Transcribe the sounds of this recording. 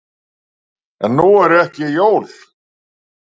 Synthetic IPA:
ɛnːuɛɾɛhcɪjoːwl̥

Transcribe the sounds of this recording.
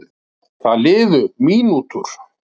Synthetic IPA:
θaðlɪːðʏmiːnuːt̪ʏɾ̥

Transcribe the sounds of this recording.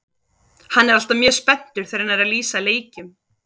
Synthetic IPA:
hanːɛɾal̥t̪amjœ̥ːspɛn̥t̪ʏɾ̥θejɾɪnaɾaliːsaleːjcʏm

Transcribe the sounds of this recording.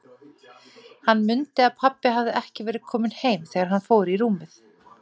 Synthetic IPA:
hanːmʏnt̪ɪaðpʰapːɪɦavðɪʔɛhcɪvɛːɾɪð̥kʰɔːmɪnheːjmθɛːɣaɾɦanfoːwɾiɾuːmɪθ

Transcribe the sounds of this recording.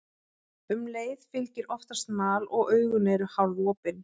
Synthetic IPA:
ʏmleːjðfɪlcɪɾʔɔft̪ḁst̪maːlɔɣœːɥɣʏneɾʏhavvɔːpɪn

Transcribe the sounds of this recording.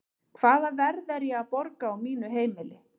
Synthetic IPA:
kʰvaːðavɛɾðɛɾjɛɣaðpɔɾkaːwmiːnʏɦeːjmɪlɪ

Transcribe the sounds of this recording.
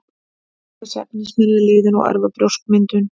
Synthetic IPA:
asɛ̰p̚nɪsmɪɾðɪlɪːðʏnɔ̰ɣa̰ɾvapɾowskmɪnt̪ʏn

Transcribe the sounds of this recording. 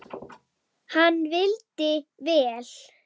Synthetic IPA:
hanːvɪlt̪ɪvɛːl̥

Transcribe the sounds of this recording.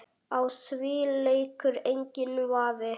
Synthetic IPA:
awsviːlejkʏɾejɲcɪnvaːvɪ

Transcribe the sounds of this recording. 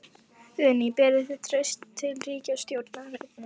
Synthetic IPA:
ðʏnːipɛːɾɪθɪt̪ʰɾœɥst̪ʰːɪlriːcast̪jowɾt̪naɾet̪̚na

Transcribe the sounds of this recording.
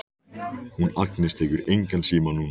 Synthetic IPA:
hunaknɪst̪hɛkʏɾejŋkansiːmanuːna

